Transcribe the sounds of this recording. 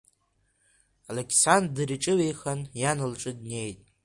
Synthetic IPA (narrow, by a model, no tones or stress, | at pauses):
alekʲʰsanddɨriʈ͡ʂʼɨwe̞jχanjanɨlʈ͡ʂʼɨd̚ne̞jtʼ